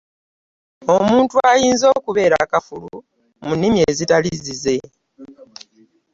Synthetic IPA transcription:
o̞muːntuajiːnzo̞ːkuβe̞ːɾa̰kafulṵ | munːimjie̞ːzitalizize̞

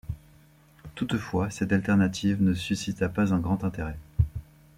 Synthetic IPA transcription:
t̪ut̪fwasɛt̪alt̪ɛʁnat̪ʰivnəsysit̪apazɛ̃ɡʁɑ̃t̪ɛ̃t̪eʁɛ

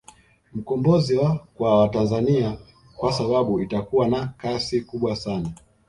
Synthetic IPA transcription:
m̩kɔmbɔziwakwawatanzania | kwasaɓaɓuitakuwanakasikuɓwasana

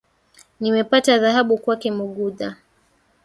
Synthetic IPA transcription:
nimɛpataðaɦaɓukwakɛmuɠuða

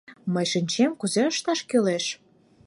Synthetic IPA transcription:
məjʃinʲt͡ɕemkuzeəʃt̪ɑʃkøleʃ

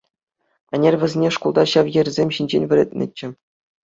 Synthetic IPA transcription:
ɘ̆nʲerʲʋʲɘ̆zʲenʲeʂkulˠd̪ɑɕɑʋjɘ̆rʲzʲemʲɕinʲd͡ʑenʲvʲɘ̆ɾʲɘ̰̆t̪̚ʲnʲɘ̰̆t͡ɕːɘ̆

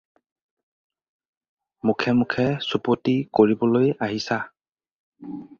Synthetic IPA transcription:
mukʰɛmukʰɛsupotikoɹibɔlojaɦisa

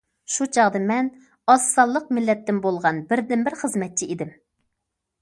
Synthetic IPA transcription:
ʃut͡ʃʰɑʁd̪ɨmɛn | ɑsːɑlˠːəq̚mɪlːɛt̪ːɪmbolˠʁɑnbɪɾd̪ɪnbɪɾχəzmɛt̪̚t͡ʃʰiid̪ɪm

